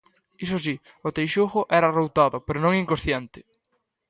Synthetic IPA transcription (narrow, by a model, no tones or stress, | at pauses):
isos̬i | ʊt̪ejʃuxʊʔɛɾɐrowt̪aðʊpeɾonõŋiŋkosθjent̪ɪ̥